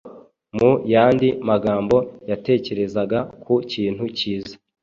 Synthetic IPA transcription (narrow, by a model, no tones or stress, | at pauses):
mujaːndimaɡaːmbo̞jate̞ːce̞ɾe̞zaɡakʰuciːn̥huciːzḁ